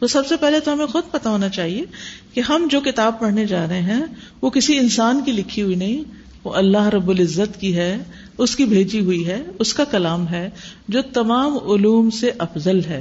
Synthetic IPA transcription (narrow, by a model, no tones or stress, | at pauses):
t̪osɐbsepɛɦlet̪oɦɐmẽxʊd̪̚pɐt̪aɦoːnat͡ʃaːɦiekeɦɐmd͡ʒoːkɪt̪aːb̚pɐɽ̤ned͡ʒaːɾɐɦeɦɛ̃ʋokɪsiɪnsaːnkilɪkʰːiɦʊinɐɦĩ | ʋoʔɐlːaɦɾɐbːʊlɪzːət̪kiɦɛː | ʊskibʱeːd͡ʒiɦʊiɦɛːʊskakɐlaːmɦɛː | d͡ʒoːt̪ɐmaːmʊluːmseʔɐfzəlɦɛː